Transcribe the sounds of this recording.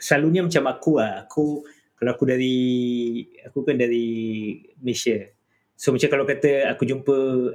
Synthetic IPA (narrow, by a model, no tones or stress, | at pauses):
səlaluɲamat͡ʃamakuahakʰu | kaloakudaɾi | akukandaɾi | məlesiə | somət͡ʃakalakat̪əakud͡ʒumpə